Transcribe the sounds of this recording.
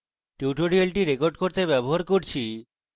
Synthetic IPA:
ʈiʈoɾɾielʈiɾekoɾɖkoɾt̪ebɛboɦaɾkoɾt͡ɕʰi

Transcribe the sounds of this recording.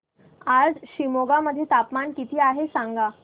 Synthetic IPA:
ad͡zɕimoɡaməd̪ʱːjet̪apmankit̪ʰiːaɦesãŋɡa

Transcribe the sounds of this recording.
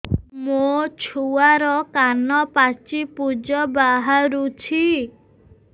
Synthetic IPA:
mot͡ʃʰuaɾɔkanɔpat͡ʃipud͡ʒɔbaɦaɾut͡ʃʰi

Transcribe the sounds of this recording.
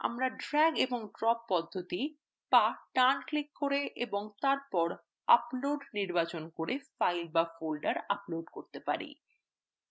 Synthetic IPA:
a̰mɾaɖɾɛɡeboŋɖɾɔpːɔd̪ʱːot̪i | paʈanklikːoɾeʔeboŋt̪aɾpɔɾ | aploɖniɾbat͡ɕonkoɾefajlbafolɖaɾaploɖkoɾt̪epa̰ɾḭ

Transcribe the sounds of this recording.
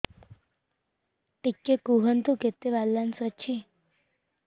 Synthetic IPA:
ʈikːekuɦənt̪uket̪ːeʋalːansʋət͡ʃʰi

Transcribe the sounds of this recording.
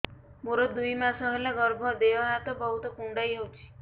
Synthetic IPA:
muɾɔd̪ujmasɔɦelaɡɔɾbʱɔd̪eɔɦat̪ɔbɔɦut̪ɔkuɳɖajɦowt͡ʃʰi̥

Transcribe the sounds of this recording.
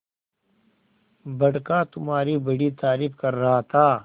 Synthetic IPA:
bɐɽkaːt̪ʊmɦaːɾibɐɽit̪aːɾɪfkɐɾːɐɦat̪ʰaː

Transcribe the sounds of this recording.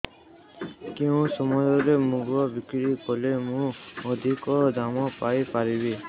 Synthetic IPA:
kiũsɔmɔjɔɾemũɡɔbikɾikɔlemũɔd̪ʱikɔd̪amɔpajpaɾibe

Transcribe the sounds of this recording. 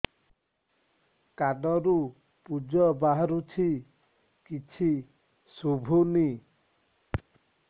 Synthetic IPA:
kaɖɔɾu | pud͡ʒɔbaɦaɾut͡ʃʰi | kit͡ʃʰi | subʱuni

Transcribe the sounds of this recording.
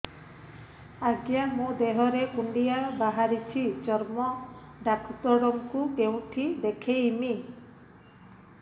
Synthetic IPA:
aɡjamũd̪eɦɔɾekuɳɖijabaɦaɾit͡ʃʰid͡ʒɔɾmɔ | ɖakʰt̪ɔɽɔŋkukeũʈʰid̪ekʰeimi

